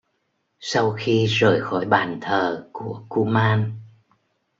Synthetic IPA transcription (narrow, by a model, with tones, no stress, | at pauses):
sa˧wxi˧zəː˧˩jxɔ˧˩jɓaː˨˩nt̪ʰəː˨˩ku˧˩əku˧maː˧n